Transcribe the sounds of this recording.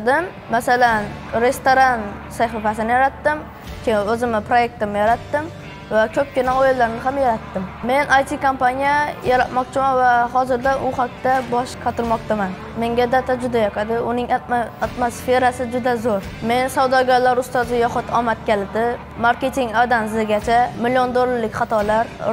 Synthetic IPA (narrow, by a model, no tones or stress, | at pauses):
d̪ɪmːasalan | ɾe̞st̪oɾan | saχifasɪnɪjaɾat̪ːɪm | kʲʰeɵzɪmɪpɾoje̞k̚ʲt̪ɪmɪjaɾat̪ːɪm | vakʲʰɵp̚ʲkʲɪnaojɪlːaɾnɪɦamjaɾat̪ːɪmme̞nʔajt̪ʰikʰompanijajaɾat̪mɒqt͡ʃʰɪmanvaɦɒzɪɾd̪aʔʊhak̚t̪ʰːabɒʃqʰɑt̪ʰɪɾmɒqt͡ʃ̪ʰaman | me̞ŋɡʲad̪at̪ʰad͡ʒʊd̪ajɑqʰɑd̪ɪʊnɪŋat̪mosfe̞ɾasɪd͡ʒʊd̪azoɾ | me̞nsawd̪ɒɡʲaɾlaɾʊst̪ɒzɪjɒχʊt̪ʰɒmat̪̚kʲalɪd̪ɪ | maɾkʲe̞t̪ʰiŋɡad̪anzɪɡʲat͡ʃʰamɪliond̪olˠːaɾlɪkʲχɑt̪ʰɒlaɾ